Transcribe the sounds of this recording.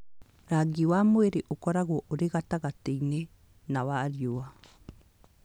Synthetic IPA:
ɾaɡiwamweɾeʔokɔɾaɣɔʔoɾeɣataɣateine | nawaɾjoa

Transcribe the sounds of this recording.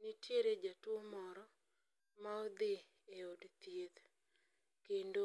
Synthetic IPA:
nitjeɾed͡ʒatwomɔɾɔ | maod̪ɪ | eodt̪jed̪ | kendo

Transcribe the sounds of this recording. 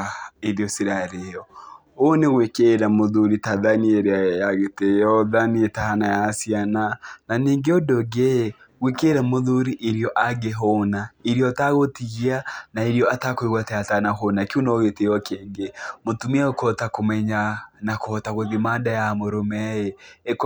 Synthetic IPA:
eɾiɔsiɾaɾejɔ | oneɣwekeɾamoðuɾitaðanieɾeajaɣetejɔðanietahanajasianananiːŋɡeodɔɡe | ɣwekeɾamoðuɾiʔeɾiɔʔaɡeɦonaeɾiɔtaɣotiɣianaeɾiɔatakoiɣwateatanaɦonakiunooɣetejɔkeːŋɡemotumiaokɔtakomɛɲanakoɔtaɣoðimaːndajamoɾomɛjeek

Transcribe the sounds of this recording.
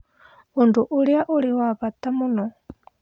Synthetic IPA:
unduʔuliaʔuliwaβat̪amunɔ

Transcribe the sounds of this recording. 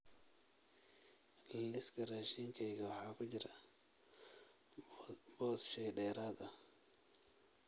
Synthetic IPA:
lɪskʰɐrɛʃiːŋkʰɛjɣɐwɑħɑːkʰʊt͡ʃɪɾɐ | bɔːsʃɛjɖɛːɾaːd̪ɐ

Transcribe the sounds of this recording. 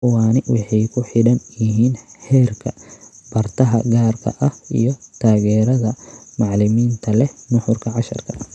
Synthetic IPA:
waːnɪwɑħɑjkʰʊħɪɽɐnjɪɦiːnhɛːrkʰɐb̥ɐrt̪ʰɐɦɐ̰ɡaːrkʰɐ̰ʔɐhḭjɔt̪ʰaːɣɛːɾɐðɐmɑʕlɪmiːnt̪ʰɐlɛnʊħʊrkʰɐʕɑʃɐrkʰɐ

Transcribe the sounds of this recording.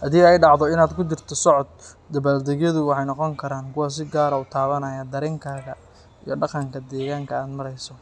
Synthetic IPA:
hɐdiːɛjɖɑʕðɔɪnaːd̪kʰʊd̪ɪrt̪ʰɔsɔʕɔd̪̚ː | ɐβaːld̪ɛɣjɐðʊwɑħɑjnɔqɔŋkʰɐɾaːŋkʰʊwaːs̬ɪɡaːɾɐut̪ʰaːβɐnɐjaːd̪ɐɾɪŋkʰaːɣɐ | ijɞɖɑqɑŋkʰɐd̪ɛːɣaːŋkʰɐaːd̪mɐɾɛjsɔ

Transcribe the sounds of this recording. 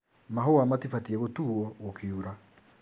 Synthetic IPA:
maɦowamatifatiɛɣotuːɔɣokʰeuɾa

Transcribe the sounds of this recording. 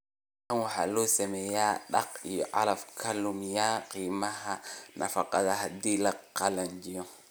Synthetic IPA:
awha̰losemejaɗa̰koʔa̰lafkʰalumjakimahanʔa̰fakːadahadilakːaland͡ʒio

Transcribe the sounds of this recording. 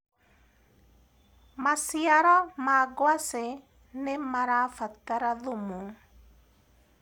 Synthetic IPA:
masjaɾɔmaɡwase | nemaɾafat̪aɾaðʊmu

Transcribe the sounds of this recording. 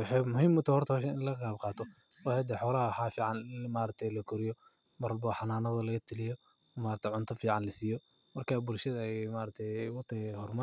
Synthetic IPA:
ħɛmʊhiːmt̪ʰɔhɔrt̪ʰɔhɔːʃɛnɪnlɐɣɐqɑːbqɑːt̪ʰɔ | wɑːhɛd̪ɛħɔːlɐhɐwħɑːfiːʕɑnmaːɾɐt̪ʰɛjlɐkʰʊɾɪjɔ | mɐɾlbɔħɑnaːnɐðɐlɐɣɐt̪ʰɪlɪjɔ | maːɾɐt̪ʰɛʕʊnt̪ʰɐfiːʕɑnlɐsiːjɔ | mɐrkʰaːbʊlʃɐðɐmaːɾɐt̪ʰɛjwɑt̪ʰɛhɔrmɐ

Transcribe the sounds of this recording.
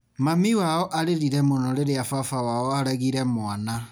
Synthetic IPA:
mamiwaɔʔaɾeɾiɾɛmonɔɾeɾeafafawaɔaɾɛɣiɾɛmwana

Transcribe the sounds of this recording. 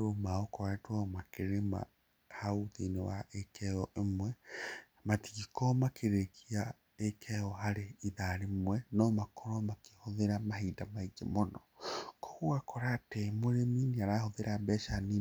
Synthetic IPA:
ɾomaɔkɔwatwamakeɾema̰ | hauðinewaʔekʰɛɔʔemwɛ | matikɔmakʰeɾekia | ekʰɛɔɦaɾeiðaɾemwɛnɔmakɔɾɔmake̥hoðeɾamaɦidamaid͡ʒḛmonɔkʰɔ̥ɣuakʰɔɾatɛmoɾeminiaɾahoðeɾambɛʃani

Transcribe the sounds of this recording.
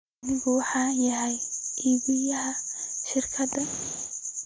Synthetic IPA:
nɪɣʊwɑħɑːjɐɦɛjʔiːβɪjɐɦɐʃɪrkʰɐd̪ɐ

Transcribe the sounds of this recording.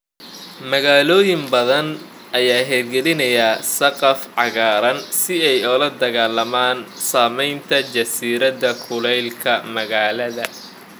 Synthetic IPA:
mɐɣaːlɔːjɪmbɐðɐn | ʔɐjaːɦɛːd̪ɡɛlɪnɐjaːsɐqɑfʕɑɣaːɾɐnsɪɛjɔːlɐd̪ɐɣaːlɐmaːnsaːmɛjnt̪ʰɐt͡ʃɐsiːɾɐðɐkʰʊlɛjlkʰɐmɐɣaːlɐðɐ

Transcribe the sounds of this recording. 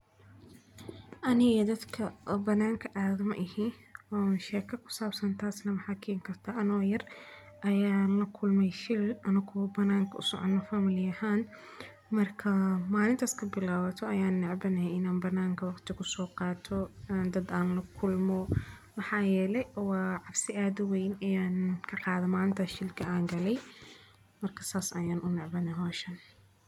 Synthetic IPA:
ʔɐnɪɣɐd̪ɐd̪kʰɐbɐnːaːŋkʰɐʔaːðɐmɐ̰ʔɪhiːnwaːʃɛːkʰɐkʰʊ̥saːbsɐnt̪ʰaːsnɐmɐħɑkʰiːŋkʰɐrt̪ʰɐʔɐnɔːjɐr | ʔɐjaːnlɐkʰʊlmɛjʃɪlʔɐnɐkʰʊwbɐnaːŋkʰɐʔʊ̰sɔ̰ʕɔ̰nːɐfɐmɪlɪjɐhaːn | mɐrkʰɐmaːlɪnt̪ʰaːskʰɐbɪlaːwɐt̪ʰɔɐjaːnːɛʕbɐnɛhɛɪnaːnbɐnːaːŋkʰɐwɑqt̪ʰɪkʰʊsɔːqɑːt̪ʰɔːnd̪ɐd̪aːnlɐkʰʊlmɔmɑħɑːjɛːlɛjwɑːʕɑbsɪʔaːðʊwɛjnɐjaːnkʰɐqɑːðɐmaːlɪnt̪ʰɐʃɪlkʰɐaːŋɡɐlɛj | mɐrkʰɐ̥saːsɐ̰jaːnʔʊnɛʕbɐnɛɦɔːʃɐn

